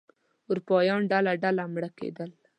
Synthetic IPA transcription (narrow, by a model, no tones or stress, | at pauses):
uɾupɑjɑnɖalaɖalamɽakḛd̪əl